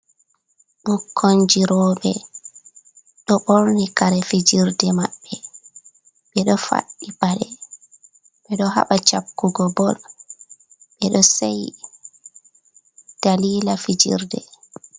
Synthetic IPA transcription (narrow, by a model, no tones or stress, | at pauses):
ɓukʰːɔɲd͡ʒiɾɔːɓɛ | ɗɔɓoɾnikaɾɛfid͡ʒiɾdɛmaɓːɛ | ɓɛɗɔfa̰ɗːipaɗɛ | ɓɛɗɔɦa̰ɓat͡ʃapkːuɡɔbɔl | ɓɛɗɔsaj | d̥aliːlafid͡ʒḭɾdɛ̰